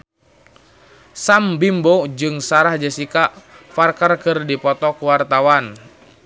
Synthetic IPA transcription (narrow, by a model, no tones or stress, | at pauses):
sambimbod͡ʒɨŋsaɾahd͡ʒəsikafarkarkɨrdipɔt̪ɔkuwart̪awan